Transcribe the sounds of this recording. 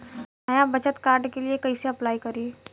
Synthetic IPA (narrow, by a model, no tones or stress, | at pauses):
nɐjabɐt͡ʃət̪kaːɾɖkeliekɐiseɐplaːikɐɾi